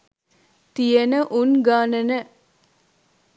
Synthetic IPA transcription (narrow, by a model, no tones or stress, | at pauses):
t̪ijenəʔunɡaːnɐnə